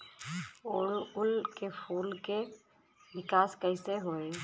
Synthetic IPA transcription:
oɽʊlkepʰuːlke | ʋɪkaːskəɪseɦoːe

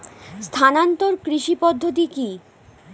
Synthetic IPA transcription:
st̪ʰanant̪oɾkɾiʃipɔd̪ʱːot̪̬iki

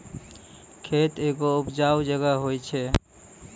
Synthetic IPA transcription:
kʰet̪eɡoupd͡ʒawd͡ʒəɡaɦojt͡ʃʰɛ

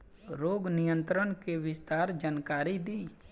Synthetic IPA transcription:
ɾoːɡnɪjə̃nt̪ɾənkeʋɪst̪aːɾd͡ʒaːnkaːɾid̪iː

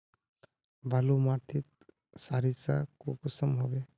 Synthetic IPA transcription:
bʱalumaʈ̪ʰit̪̚ | saɾisa̰kokusəmɦɔbe

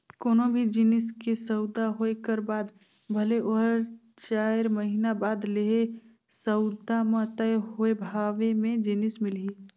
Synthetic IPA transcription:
koːnõbʱid͡ʒinɪskesəʊd̪aɦoekəɾbaːd̪ | bʱəleʔoɦəɾ | t͡ʃaːɪɾməɦinabaːd̪leɦe | səʊd̪amãt̪əeɦoebʱaːʋemẽd͡ʒinɪsmɪlɦiː

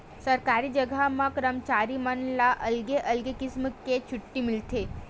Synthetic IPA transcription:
səɾkaɾid͡ʒəɡʱamãkɾəmt͡ʃaːɾimənlaʔɐlɡeʔɐlɡekɪsməkːet͡ʃʰʊʈːimɪlt̪ʰeː

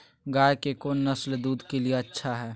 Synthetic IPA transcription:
ɡaːjkekoːnːɐsld̪uːd̪kelieɐtːʃʰaɦɛː

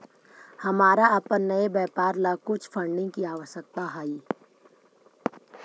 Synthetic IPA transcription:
hɐmaːɾaɐpənːɐebɛːpaːɾlakʊt͡ʃʰfʰɐ̃ɳɖɪ̃ŋkiaːʋəʃək̚t̪aɦaːi

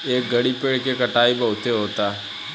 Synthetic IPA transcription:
eːk̚ɡɐɽipeːɽkekɐʈaːibɐɦʊt̪eɦoːt̪aː

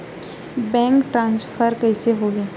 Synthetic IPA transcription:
bɛ̃ːŋkʈɾãːnsfʰəɾkɛɪseɦoːɡeː

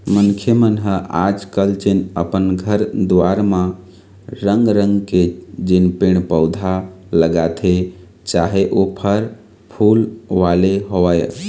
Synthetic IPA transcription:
mənkʰjəmənɦəʔad͡ʒkəlt͡ʃinə̰pənɡʱəɾd̪ʋaɾmã | ɾəŋɡɾəŋɡked͡ʒinpeɳ̃pəʊd̪ʱa | ləɡat̪ʰe | t͡ʃaɦeʔopʰəɾ | pʰulʋaleɦoəj

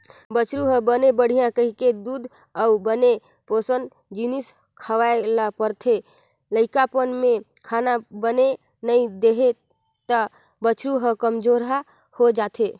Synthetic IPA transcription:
bət͡ʃɾuɦə̃bənebəɽ̤ijãkəɦiked̪ud̪ʱ | əubəne | posən | d͡ʒinis | kʰəʋaelapəɾt̪ʰe | ləɪkapənme | kʰanabəne | nəid̪eɦe | t̪ə | bət͡ʃʰɾuɦə̃kəmd͡ʒoɾɦa | hod͡ʒat̪ʰe

